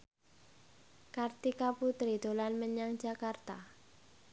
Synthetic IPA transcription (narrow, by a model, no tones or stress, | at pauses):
kart̪ikaput̪ɾid̪olanməɲaŋ̥d͡ʒakart̪a